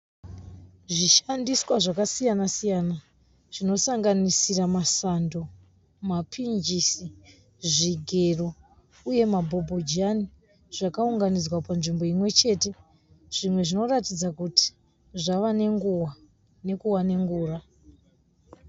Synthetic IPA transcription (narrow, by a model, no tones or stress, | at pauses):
ʐiʃandiswaʐakasijanasijana | ʐ̥ino̞saŋɡanisiramasando̞ | mapʰind͡ʒisi | ʐiɡʱe̞ro | uje̞mabʱo̞bʱod͡ʒani | ʐ̥akauŋɡanid͡zwapanʐimbo̞imwe̞t͡ʃe̞ːte | ʐ̥imwe̞ʐino̞ratid͡zakuti̥ | ʐaʋane̞ŋɡuwa | ne̞kuwane̞ŋɡuːra